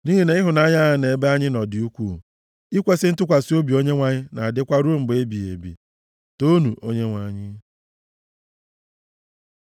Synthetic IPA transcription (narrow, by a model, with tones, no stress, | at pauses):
ni˦ɦe˦ne˨˦ɪ˦ɦʊ˨na˦ɲa˦a˨ne˨˦be˦a˦ɲɪ˦nɔ˨dɪ˨u˦kʷṵ˨ | i˦kʷe˦sɪ˦n̩˦tʊ˦k̬ʷa˨si˦o˦bi˨o˦ɲe˦ŋʷa˨ɲɪ˦na˨a˨dɪ˦kʷa˦ɾu˦m̩˨be˦bi˨ḛ˨bḭ˨ | to˦nu˨ʔo˦ɲe˦ŋʷa˨ɲɪ˦